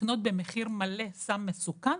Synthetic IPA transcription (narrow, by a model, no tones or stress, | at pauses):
no̞t̪̚be̞meχiʁmale̞samːesukan